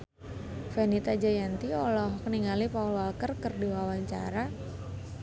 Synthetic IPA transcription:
fenit̪ad͡ʒajant̪iɔlɔhkəniŋalipaulwalkərkərdiwawaɲt͡ʃa̰ɾa

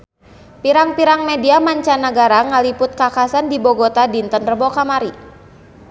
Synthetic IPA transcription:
piɾaŋpiɾaŋmediamaɲt͡ʃanaɡaɾaŋalipʊt̪̚kakasandiboɡot̪adint̪ənrəbokamaɾi

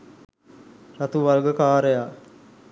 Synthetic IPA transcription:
rat̪uʋalɡəkaːɾəja

